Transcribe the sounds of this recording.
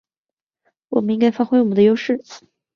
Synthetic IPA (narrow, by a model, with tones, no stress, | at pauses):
wɔ˨˩mə˦ni˥ŋka˥ɪfa˥xwe˥ɪwɔ˨˩ə˦nd̪ə˧jo˥ʊʂɻ̩˥˩